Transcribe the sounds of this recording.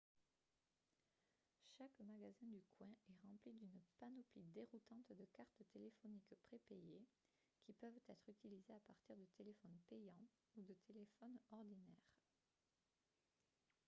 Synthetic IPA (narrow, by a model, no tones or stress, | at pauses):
ʃakmaɡazɛ̃d̪ykwɛ̃ɛʁɑ̃plid̪ynpanɔplid̪eʁut̪ɑ̃t̪d̪əkaʁt̪t̪elefɔnikpχepɛje | kʲʰipœvt̪ɛt̪χyt̪ilizeapaʁt̪iʁd̪ət̪ʰelefɔnpejɑ̃ | ud̪ət̪ʰelefɔnɔʁd̪inɛːʁ